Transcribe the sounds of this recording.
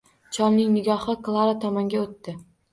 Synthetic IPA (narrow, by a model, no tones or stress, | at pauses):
t͡ʃʰɒlnɪŋnɪɡʲɒhɨklˠaɾat̪ʰɒmɒŋɡʲaot̪ːɪ